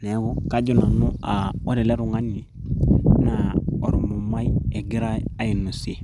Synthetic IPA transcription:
ne˨˦wo˦ka˦ɟu˦˨na˨nu˦a˨wo̰˦ɾe˨le˦ɾu˨ŋa˦ni˨ | na˨o˨ɾu˨mo˨ma˦je˨ɡi˦ɾa˦a˦ji˨nu˨si˨

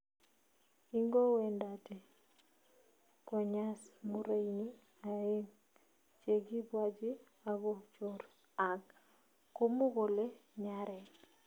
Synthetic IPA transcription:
i˦ŋɡo˦we˨nda˨te˨ | kɔ˨ɲa˦smu˦ɾa˦jni | a˨e˦n | t͡ʃe˨ɡi˦bwa˦d͡ʒi˦ | a˨βo˦t͡ʃoɾ | a˨k | kːo˦mu˦ɡo˨le˦ɲaɾɛ˨

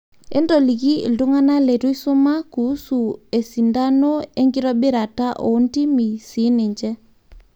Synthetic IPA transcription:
e˦ndɔ˨li˨ɣḭ˦˨ldu˦ŋa˦na˦le˨tu˦i˦so˦ma˦ku˨˦su˨e˨si˨nda˦no˦e˦ŋɡi˦ɾɔ˦be˦ɾa˨ta˦ʔo˨˦ndi˦mi˨si˨˦ne˨ɲd͡ʒɛ˦

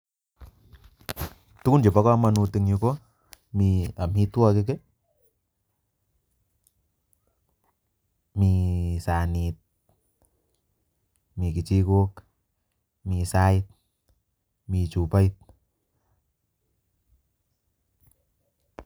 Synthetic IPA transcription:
t̪u˦ku˦nd͡ʒe˨pa˦kɔ˦˧ma˧nu˧t̪i˧ŋɲu˧ko˦ | mi˧a˨mi˦t̪u˦ɔ˦˧k̬e˦˧k̬e˦ | mi˧sa˨ni˧t̪̚ | mi˧˨ki˨t͡ʃi˧ko˦k | mi˧sa˧i˧t̪̚ | mi˧t͡ʃu˧pa˦i˧t̪̚

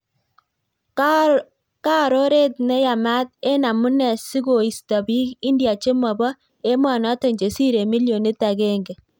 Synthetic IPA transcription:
ka˦ɾo˦ɾe˦tnɛ˦ja˨ma˦t̪̚e˦na˨mu˦nɛ˨si˦ɡo˨i˨sta˨bi˦ki˦ndja˨t͡ʃe˦mɔ˨bɔ˦ | e˦mwa˨nɔ˨˦tɔ˨ɲd͡ʒe˨si˦ɾe˨mi˦ljo˨ne˦tːa˨ɡɛ˦ŋɡɛ˨

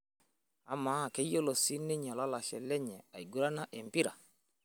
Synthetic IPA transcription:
a˦ma˨˦˨ke˨˦jo˦lo˨si˦nɪ˦ɲɔ˨la˦la˨ʃɛ̰˨lɛ˦ɲɛ˨a˨i˨ɡu˦ɾa˦na˦ʔɪ˨mpi˦ɾa˨

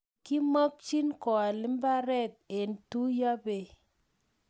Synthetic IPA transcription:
ki˦mɔ˦k̚t͡ʃi˦nkɔ˨a˨li˦mba˦ɾɛ˦˨t̚e˨n˨tu˦ja˦be˨

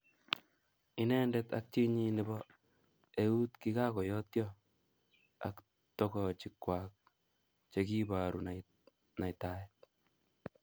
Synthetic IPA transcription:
i˦nɛ˦ndɛt̪a̰k̚t͡ʃi˦ɲi˦ni˨bɔ | eu˦t̪ki˦ka˦kɔ˨jɔ˦tjɔ | a̰k | tɔkɔ˨t͡ʃi˨kːwa˨k̚ | t͡ʃeki˦ba˨ɾu˨na | na˨jtajɛt̚

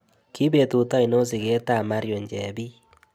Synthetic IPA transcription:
ki˦be˨tu˨ta˦i˨no˦s̬i˨ke˦ta˦˨ma˦ɾjo˨ɲd͡ʒɛ˨bi˦

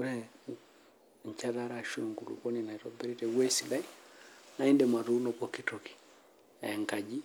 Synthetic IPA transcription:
u˦ɾɛ˦ | ɲ˨t͡ʃa˦ða˦ɾa˨ʃo˨ŋku˨lṵ˨kɔ˦ni˨na˨i˨tɔ˨bɛ˦ɾi˦tɛ˨wɛ˦si˨la˦i˦na˨˦i˦ndɛ˨ma˨tu˦nɔ˨kɔ˨ki˦tɔ˨ki̥˨ | ɛ̰˨ŋ˨ka˨d͡ʒi˦

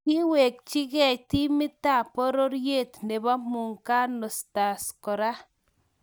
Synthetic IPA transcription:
ki˦we˨k̚t͡ʃi˦kɛ˦˨t͡ʃt̪i˦mɪ˦t̪a˦˨po˦ɾo˦ɾje˦˨t̪ne˨ba˦mu˨ŋka˦no˨st̪a˨sko˨ɾa˦

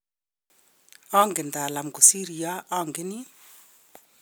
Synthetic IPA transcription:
ɔ˦ŋɡe˨nda˨la˨mɡu˨si˦ɾi˨a˦ʔɔ˦˨ŋɡe˦ni˦

